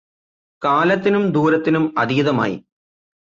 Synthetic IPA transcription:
kaːlɐt̪ːinumd̪uːɾɐt̪ːinumɐðijɐðɐma̰ːjḭ

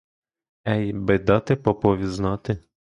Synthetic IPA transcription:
ɛjbɛd̪ɔt̪ɪpɔpɔʋʲiznɔt̪ɪ

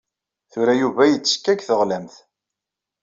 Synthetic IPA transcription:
θʊɾæjuvæjət͡sːə̥kːækθəʁlæmθ

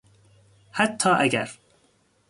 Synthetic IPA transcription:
hæt̪ʰːɑːʔæɡæ̰ɾ

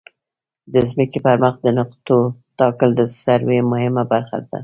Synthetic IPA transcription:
d̪əzməkipəɾməxd̪ənʊqt̪ot̪ɑkəld̪əsaɾwemʊhɪmabaɾxa̰d̪a̰

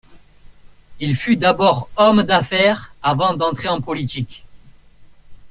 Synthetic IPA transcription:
ilfyd̪abɔʁɔmd̪afɛʁavɑ̃d̪ɑ̃t̪χeɑ̃pɔlit̪ik

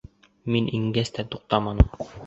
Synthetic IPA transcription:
minʔiŋɡæst̪æt̪uq̚t̪ɑmɑnɤm

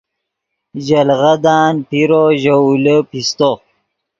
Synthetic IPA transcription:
ʑalɣad̪ɑːnpiɾoʑəuləpist̪o

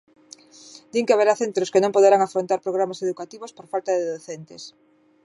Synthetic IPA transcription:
d̪iŋkeaβeɾaθent̪ɾoskenõŋpoð̞eɾaŋafɾont̪aɾpɾoɣ̞ɾamaseðukat̪iβospoɾfalt̪aðeðoθent̪es

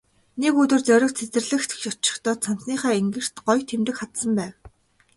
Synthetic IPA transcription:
nekɵt̪ɵ̆rt͡sœɾʲɪ̆kt͡sʰet͡sɘ̆rɮɘ̆xt̪ʰɔt͡ɕɪ̥̆xt̪ɔːt̪sʰanm̥sniːχæːeŋɡɘ̆r̥t̪ɢɔjt̪ʰemt̪ɘ̆kχat̪sə̆mpæːw

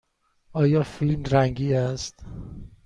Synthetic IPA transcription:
ɒːjɒːfilmɾæŋɡiːæst̪

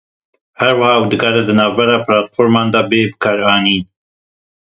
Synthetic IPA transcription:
hæɾwɑhɑːwd̪ɨɡɑːɾɛd̪ɨnɑːvbɛɾɑːpʰɾɑːt̪foɾmɑːnd̪ɑːbeːbɨkʰɑːɾɑːniːn

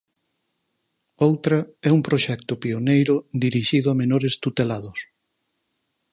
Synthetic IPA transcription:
owt̪ɾɐɛumpɾoʃɛk̚t̪ʊpionejɾʊd̪iɾiʃiðʊamenoɾest̪ut̪elaðʊs

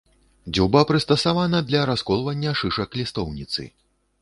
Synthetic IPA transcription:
d͡zʲuwbapɾɨst̪ɐsavanɐd̪lʲɐɾaskɔlˠvɐnʲːɐʂɨʂɐklʲist̪ɔwnʲit̪sɨ̰

